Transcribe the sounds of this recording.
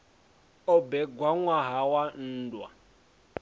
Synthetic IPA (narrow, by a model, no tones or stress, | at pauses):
ɔbɛɡwaŋwaɦawan̩ːdwa̰